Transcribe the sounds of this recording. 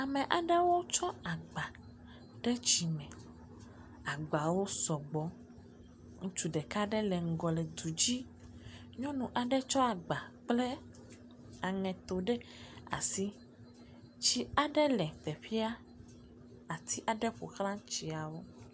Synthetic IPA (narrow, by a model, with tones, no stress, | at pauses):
a˨mẽ˨ʔa˨ɖe˦wo˦t͡ʃɔ˦a˨ɡ͡ba˨ | ɖe˦t͡ʃi˨mɛ̃˨ | a˨ɡ͡ba˨wo˦sɔ˨ɡ͡bɔ˦ | ŋũ˦t͡ʃu˨ɖe˨ka˦ɖe˦lɛ˨ŋ̩˨ɡɔ˨le˨d̪u˨d͡ʑi˦ | ɲɔ̃˦nũ˨ʔa˨ɖe˦t͡ʃɔ˦a˨ɡ͡ba˨k͡ple˦ | a˨ŋɛ̃˨t̪o˨ɖe˦a̰˨si˦ | t͡ɕi˦a˨ɖe˦lɛ˨t̪e˨ɸi˦a˦ | a˨t̪ʰi˦ʔa˨ɖe˦ɸo̰˨xɾã˦t͡ʃi˨˦a˨wo˦